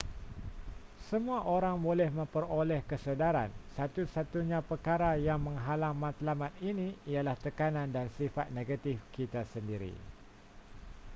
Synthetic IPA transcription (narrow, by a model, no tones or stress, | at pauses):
səmũaʔoɾaŋbolɛhmə̃mpəɾolɛhkəsədaɾa̰nsat̪usat̪uɲãpərkaɾajaŋmə̃ŋɦalaŋmãt̪lamãt̪̚inĩijalaht̪əkanãndansifa̰t̪̚neɡat̪ifkit̪asəndiɾḭ